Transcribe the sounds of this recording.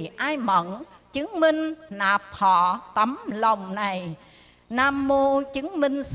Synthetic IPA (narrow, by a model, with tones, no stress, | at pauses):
ʔaː˧jmə̰˧˨nt͡ɕɨ˨˦ŋmï˧ŋ̟naː˨˩p̚hɔ̰˧˨t̪ə˨˦mlə˨˩wŋ͡mna˨˩j | naː˧mːo˧t͡ɕɨ˨˦ŋmï˧ŋ̟s